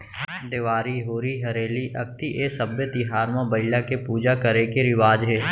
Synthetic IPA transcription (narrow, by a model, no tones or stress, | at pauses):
d̪ɪʋaːɾiɦoːɾiɦɐɾeːliʔɐk̚t̪iʔeːsɐbjət̪iɦaːɾmãbɐɪlakepuːd͡ʒakəɾekeɾɪʋaːd͡ʒɦɛː